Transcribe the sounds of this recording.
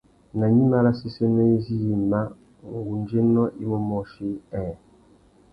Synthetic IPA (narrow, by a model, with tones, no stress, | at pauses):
na˨ɲi˦ma˦la˦si˦se˦nɔ˦i˦zi˦i˨ma˦ | ŋ˨ɡu˨nd͡ʒe˦nɔ˦ʔi˦mɔ˦mɔ˦˨ʃi˦ɛ˨